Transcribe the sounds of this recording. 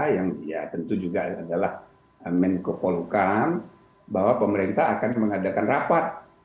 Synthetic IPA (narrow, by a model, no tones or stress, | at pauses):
jaŋja̰t̪ənt̪ud͡ʒuɡaadalah | əmɛnkəpolukan | baɦwapəməɾent̪aːkanməŋadakanrapat̪̚